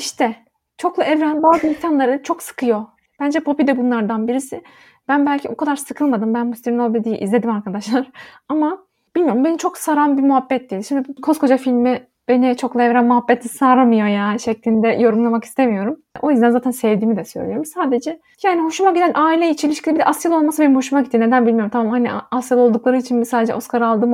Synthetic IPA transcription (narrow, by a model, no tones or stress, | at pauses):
iʃt̪ʰɛ | t͡ʃʰo̞klˠaʔɛvɾænbaːzɯimc̪ʲʰanlˠaɾɯt͡ʃʰo̞ksɯ̥kʰɯjo̞ | b̥ænd͡ʒɛpʰo̞pid̪ɛbunlˠaɾd̪anbiɾisɪ | b̥ænbælʲcʰiokʰad̪aɾsɯkʰɯlˠmad̪ɯmbænhust̪iɾnolˠbed̪ijiʔḭzlʲe̞d̪imaɾkʰad̪aʃlˠaɾ̥ | ama | b̥ilʲmijo̞ɾumbe̞nit͡ʃʰoksaɾanbimuɦabːɛt̪̚d̪ijd̪ʲiʃimd̪ikʰo̞skʰo̞d͡ʒafilʲmi | b̥e̞nit͡ʃʰo̞klˠaveɾænmuɦabːet̪ʰisaːɾamɯjo̞jaːniʃɛclʲind̪ɛjo̞ɾumlˠamaki̥st̪ʰe̞mijo̞ɾum | o̞̰jyzænzaːt̪ænsɛvd̪iːmid̪ɛsøjlʲijo̞ɾumsaːd̪e̞d͡ʒɛ | jaːniho̞ʃumaɡɟid̪ænʔaːilʲɛit͡ʃʰilʲiʃkcʰʲilʲibid̪ɛʔasjalˠo̞lˠmasɯbe̞nimho̞ʃumaɡɟit̪ːine̞d̪ænbilʲmijoɾmt̪ʰamamhaniasjalˠo̞lˠd̪uklˠaɾɯit͡ʃʰinbisaːd̪ed͡ʒɛ̰ʔo̞skʰaɾalˠd̪ɯːm